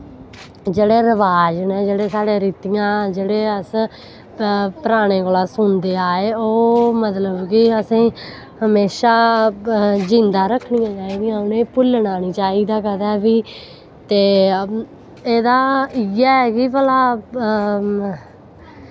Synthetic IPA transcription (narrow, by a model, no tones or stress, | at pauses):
d͡ʒeːɽeːɾəʋaːd͡ʒneːd͡ʒeːɽeːsaːɽeːɾiːt̪ijãːd͡ʒeːɽeːəs | pəɾaːɽ̃eːkoːlãːsʊnd̪eːaːeːoːmət̪ləbkɪəsĩː | həmeːʃaː | d͡ʒɪnd̪aːɾəkʰːɳijãːt͡ʃaːiːd̪ijãːʊnẽːpʊlnaːniːt͡ʃaːiːd̪aːkəd̪ɛːbiː | t̪eː | eːd̪aːiaːɛːkɪpəlaː